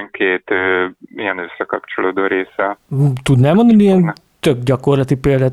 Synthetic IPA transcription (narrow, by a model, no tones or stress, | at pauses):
ŋkeːt̪øːiɛnøsːɛkɒpt͡ʃoloːd̪oːɾeːsɛuːt̪ud̪nɛːlmond̪ɒniiɛn | t̪øɡ̚ɟɒko̞rlɒt̪ipeːld̪at̪